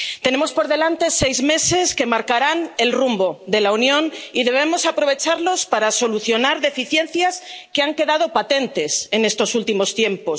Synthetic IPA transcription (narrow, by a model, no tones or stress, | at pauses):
t̪e̞ne̞mo̞spo̞ɾðelant̪e̞se̞jzme̞se̞ske̞maɾkaɾane̞lrumboðe̞launjõ̞niðe̞β̞e̞mo̞sapɾo̞β̞e̞t͡ʃaɾlo̞spaɾaso̞luθjo̞naɾðe̞fiθje̞n̟θjaske̞aŋke̞ðað̞o̞pat̪e̞nt̪e̞se̞ne̞st̪o̞sult̪imo̞st̪je̞mpo̞s